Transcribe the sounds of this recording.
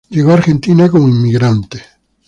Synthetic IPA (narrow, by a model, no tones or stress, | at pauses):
d͡ʒeɣaɾxent̪inakoŋimːiɡɾant̪e̥